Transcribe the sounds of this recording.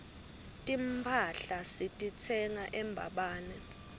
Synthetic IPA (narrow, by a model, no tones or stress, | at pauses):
tʼimpʰaɬasitʼit͡sʰɛŋaʔɛmbʱa̰ɓaːnɛ